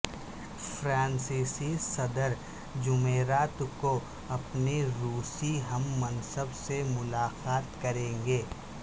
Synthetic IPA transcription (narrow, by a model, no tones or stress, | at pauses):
fʰɾaːnsiːsisɐd̪əɾ | d͡ʒʊmeːɾaːt̪ko | ɐpneɾuːsiɦɐmːɐnsəbsemʊlaːqaːt̪kɐɾẽːŋɡeː